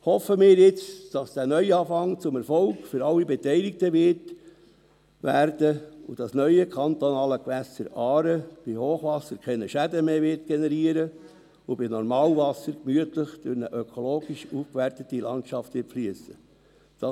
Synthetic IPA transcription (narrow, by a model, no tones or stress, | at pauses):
hɔfəmɪːɾjɪt͡sd̥ɑsd̥æːnœʏɑːfɑŋt͡sʊmɛɾfɔlkfʏɾɑlːibɛtɛɪlik̚təʋɪɾt | ʋæːɾd̥əud̥ɑsnœʏəkʰɑnt̪onɑːləkʋæsəɾɑːɾəb̥ihoːχʋɑsəɾkʰɛnəʃædəmeːʋɪɾt̚ɡ̥enɛɾiəɾə | ubinɔɾmɑːlvɑsəɾkmyətləχd̥øɾnəʔøkʰoloːɡiʃufkʋæɾtət̪ːilɑntʃɑftʋɪːflyəsə | d̥ɑ